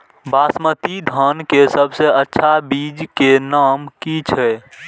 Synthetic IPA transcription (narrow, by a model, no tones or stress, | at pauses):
basmət̪id̪ʱənkesəbʱseətːʃʰabid͡ʒkenaːmkit͡ʃʰɛ